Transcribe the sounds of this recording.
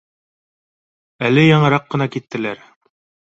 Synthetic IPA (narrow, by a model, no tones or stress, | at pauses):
ælɘjɑɴɤ̆ɾɑqːɤ̆nɑkit̪ːɘ̆læɾ